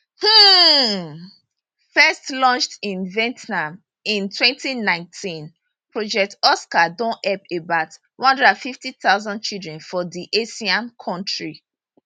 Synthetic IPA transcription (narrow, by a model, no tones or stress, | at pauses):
h̩ | fɛstlɔ̃nt͡ʃtĩnvɛ̃ntnãm | ĩntʰwɛ̃ntinãɪ̃ntʰĩn | pɹɔd͡ʒɛk̚tɔskadɔ̃nɛpebaʊtwɔ̃hɔ̃ndɹɛdãnfiftiθaʊzɔ̃nd̚t͡ʃildɹɛ̃nfɔdiʔesiãnkʰɔ̃ntɹi